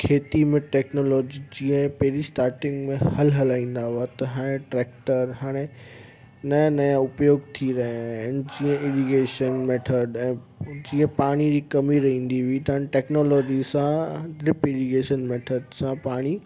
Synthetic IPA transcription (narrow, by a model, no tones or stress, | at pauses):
kʰeːt̪imẽʈɛːknoːlɔːd͡ʑid͡ʑĩːə̃pɐɦɾisʈaːɾʈɪ̃ŋɡmẽhɐlɦɐlaːĩːn̆d̪aɦuat̪ɐɦaːɽ̃ẽʈɾɛːk̚ʈəɾɦaːɽ̃e | nɐãnɐjãʊpjoːɡt̪ʰiɾɐɦd͡ʑĩːə̃ɪʋiɡeːʃənmeːʈʰəɖɛ̃ː | d͡ʑĩːə̃paːɽ̃id͡ʑikɐmiɾɐɦĩːn̆d̪iʋit̪ɐanʈeːknoːlɔːd͡ʑisãɾɪpɪɽiɡeːʃənmeːʈʰəɖsãpaːɽ̃i